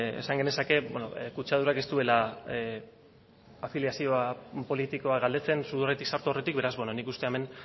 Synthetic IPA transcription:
ḛsaŋɡe̞nesake̞beno̰kut͡ʃað̞uɾake̞st̪ue̞la | afiljasio̞apo̞lit̪iko̞aɡald̪e̞t͡se̞nsuðoret̪iksaɾt̪uore̞t̪ik̚be̞ɾazbenonikust̪e̞eme̞n

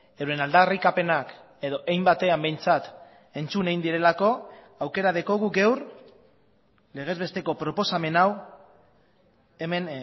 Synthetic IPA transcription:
ewɾe̞nald̪arikape̞nak | e̞ðo̞ʔejmbat̪e̞ambe̞jnt͡sat̪ | e̞nt͡suneind̪iɾe̞lako̞ | awke̞ɾað̞eko̞ɣuɡewɾ | le̞ɣ̞e̞zβe̞st̪e̞ko̞pɾo̞po̞same̞naw | emen

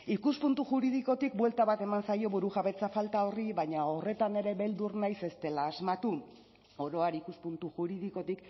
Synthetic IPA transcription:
ikuspunt̪uʝuɾið̞iko̞t̪ikbwe̞lt̪aβat̪e̞mansajo̞βuɾuʝaβe̞t͡safalt̪ao̞riβaɲao̞re̞t̪ane̞ɾe̞βe̞ld̪urnajse̞st̪e̞laːzmat̪u | o̞ɾo̞aɾikuspunt̪uʝuɾiðiko̞t̪ik

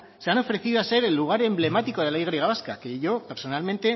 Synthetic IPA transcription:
se̞ano̞fɾe̞θiðoase̞ɾe̞lːuɣ̞aɾe̞mble̞mat̪iko̞ð̞e̞laiɣɾiɣaβaskake̞ʝo̞pe̞ɾso̞nalmẽ̞nt̪e̞

